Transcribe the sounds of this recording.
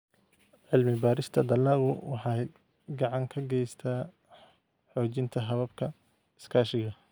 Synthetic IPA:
ʕɪlmɪbaːɾɪst̪ʰɐd̪ɐlɐːɣʊwɑħɑd̪ | ɡɑʕɑŋkʰɐɡɛjst̪ʰaː | ħɔːt͡ʃɪnt̪ʰɐɦɐβɐbkʰɐ | ɪskʰaːʃɪɣɐ

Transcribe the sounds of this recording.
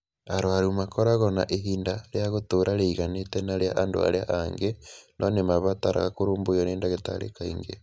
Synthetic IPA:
aɾwaɾumakoɾaɣona̰ʔeɦiːndaɾeaɣotoɾaɾeiɣanetenaɾeaʔando̰a̰ɾeaʔaŋɡenʔonemaβataɾa̰ɣakoɾoːmbojoneːndaɣeta̰ɾḛkaiŋɡḛ

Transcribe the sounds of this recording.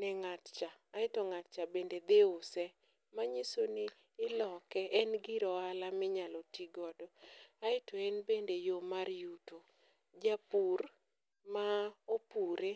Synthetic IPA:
nɛŋatt͡ʃaːɪtɔŋat̚t͡ʃabended̪eʊsɛ | maɲisonɪː | lɔkɛʔɛnɡɪɾɔalamɪɲalɔtiɡɔdɔaɪtɔɛnbendejomaɾjuto | d͡ʒapur | maopuɾe

